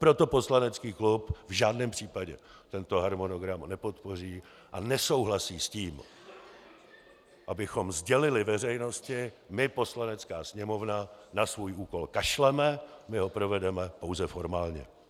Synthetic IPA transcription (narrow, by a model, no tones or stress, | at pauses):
pɾot̪o̞po̞slanɛt͡skiːklupvʒaːdnɛːmpr̝̥iːpaɟɛt̪ɛnt̪o̞ɦaɾmo̞no̞ɡɾamnɛpo̞t̪po̞r̝iː | ʔanɛso̞wɦlasiːsciːm | ʔabɪxo̞mzɟɛlɪlɪvɛr̝ɛjno̞scɪ | mɪpo̞slanɛt͡skaːsɲɛmo̞vnanasvuːjʔuːko̞lkaʃlɛmɛmɪɦo̞pɾo̞vɛdɛmɛpo̞wzɛfo̞ɾmaːlɲɛ̰